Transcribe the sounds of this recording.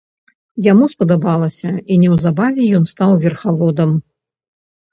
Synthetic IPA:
jamuspɐd̪abalˠɐsʲɐinʲɛwzabavʲɛjɔnst̪awvʲɛrxavɔd̪ɐm

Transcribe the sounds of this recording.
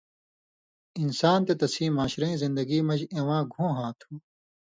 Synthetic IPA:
insaːnt̪et̪ɐsĩːmaːɕɾɐ̃ĩːzĩnd̪ɐɡiːmɐd͡ʑẽwãːɡʱõːɦãːt̪ʰũː

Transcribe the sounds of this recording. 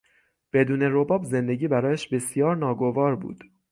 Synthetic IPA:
b̥e̞d̪uːne̞ɾo̞bɒːbze̞nd̪e̞ɟiːbæɾɒːjæʃbe̞sijɒːɾnɒːɡo̞vɒːɾbṵːd̪̥

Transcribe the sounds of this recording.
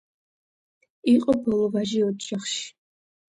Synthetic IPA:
iqʼɔbɔlˠɔvaʒiɔd͡ʒaχʃ

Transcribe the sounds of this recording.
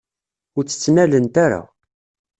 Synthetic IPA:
ʊɾt͡sːə̥t͡sːnælənt̪aɾa̰

